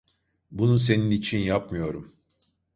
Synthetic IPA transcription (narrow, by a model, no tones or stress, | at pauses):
bununs̬e̞ninit͡ʃʰinjapmɯjo̞ɾum